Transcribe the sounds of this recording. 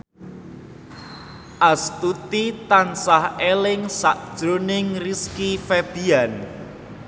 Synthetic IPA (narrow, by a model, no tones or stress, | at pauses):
ʔast̪ut̪it̪ansahelɪŋsaʔd̥ʒ̥ɾonɪŋriskifɛb̪̥ian